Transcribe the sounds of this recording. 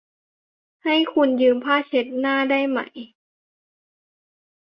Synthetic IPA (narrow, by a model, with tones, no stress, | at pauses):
ha˥˩jkʰu˧njɯː˧mpʰaː˥˩t͡ɕʰe˦˥t̪̚naː˥˩daː˥˩jma̰˧˩˦j